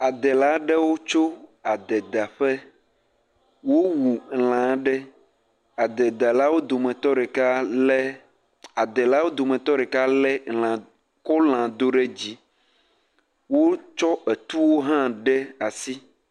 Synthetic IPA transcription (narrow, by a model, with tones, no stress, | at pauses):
a˨d̪ɛ˨la˦ɖɛ˦wo˦t͡ʃo˦a˨d̪ɛ˨d̪a˨ɸɛ˦ | wo˦wu˨l̃ã˨˦ɖɛ˦ | a˨d̪ɛ˨d̪a˨la˦wo˦d̪o˨mɛ̃˨t̪ɔ˦ɖɛ˨ka˦lɛ˦ | a˨d̪ɛ˨la˦wo˦d̪o˨mɛ̃˨t̪ɔ˦ɖɛ˨ka˦lɛ˦lã˨ | kɔ˦l̃ã˨d̪o˦ɖɛ˦d͡ʑi˦ | wo˦t͡ʃɔ˦ʔɛ˨t̪u˦wo˦ɦã˦ɖɛ˦a˨si˦